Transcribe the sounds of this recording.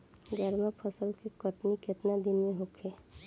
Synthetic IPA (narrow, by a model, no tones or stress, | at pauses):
ɡɛɾmapʰəsəlkikəʈniket̪nad̪ineɦokʰe